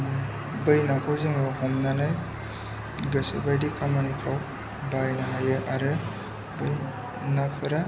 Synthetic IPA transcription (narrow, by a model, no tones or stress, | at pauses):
bɯjnakʰawzeŋawɦɔmnanaj | ɡɯsɯ̰bajdikʰamanipʰaw | bajnaɦajɯʔaɾɯ | bɯj | napʰɯɾa